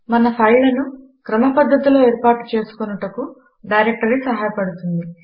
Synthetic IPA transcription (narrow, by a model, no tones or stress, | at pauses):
mɐnɐpʰɐjlɐnu | kɾɐmɐpɐd̪ːɐt̪ilo̞ːeːɾpaːʈu̥t͡ʃe̞ːsu̥kunɐʈɐku | ɖɐjɾek̚ʈɐɾisɐɦaːjɐpɐɽut̪und̪i